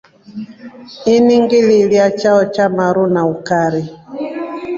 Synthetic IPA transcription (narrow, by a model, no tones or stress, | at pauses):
iniŋɡililjat͡ʃaɔt͡ʃamaɾunaukaɾi